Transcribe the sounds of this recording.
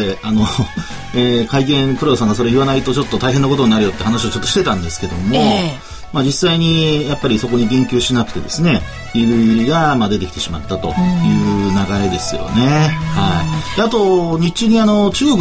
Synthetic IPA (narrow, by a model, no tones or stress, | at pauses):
eano̞ | ekaik̬ẽ̞ŋkɯ̟ɾosãŋɡaso̞ɾeiβanait̪o̞t͡ɕo̞t̪ːo̞t̪aiɦenːako̞t̪o̞ɲinaɾɯjo̞t̪ːehanaɕiot͡ɕo̞t̪ːoɕi̥t̪e̞t̪ãnd̪e̞sɨ̥ke̞d̪o̞mo̞ | mad͡ʑisaiɲ̟ijapːaɾʲiso̞ko̞ɲ̟iɡẽ̞ŋkʲɨːɕinakɯ̟t̪e̞d̪e̞sɨne̞ | iɾɯ̟iɾʲiɡamad̪e̞t̪e̞kʲi̥t̪e̞ɕima̰t̪ːat̪o̞̰jɯ̟ːnaɡaɾe̞d̪e̞sɨjo̰ne̞haid̪̥eat̪o̞ɲ̟it͡ɕɨɲ̟iano̞t͡ɕɨːɡok